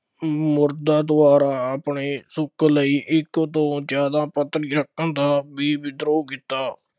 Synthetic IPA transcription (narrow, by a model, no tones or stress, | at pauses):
mʊɾd̪ãːd̪ʊaːɾaːəpɳeːsʊkləiːʔɪkt̪õːd͡ʒaːd̪ãːpət̪ɾiːɾəkːənd̪aːbiːbɪd̪ɾoːkiːt̪aː